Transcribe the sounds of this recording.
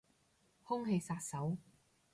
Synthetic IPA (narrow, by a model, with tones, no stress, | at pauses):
hʊ˥ŋɦe˧jsaː˧t̚sɐ˨˥w